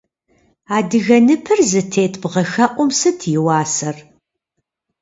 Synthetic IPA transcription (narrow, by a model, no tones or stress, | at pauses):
aːdɨɣɐnɨpʰɨrzɨtʰeːtʰbʁɐxɐʔʷʊmsɨtʰjɪwɑːsɐr